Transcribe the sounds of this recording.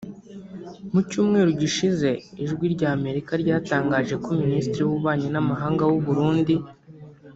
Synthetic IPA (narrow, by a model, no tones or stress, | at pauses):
mucuːmŋe̞ːɾuɟiʃize̞iʒɡwiɾɟaːme̞ɾikaɾɟaːtaːŋɡaːʒe̞koministɾijuβuβaːɲenamaɦaːŋɡawuβuɾuːndi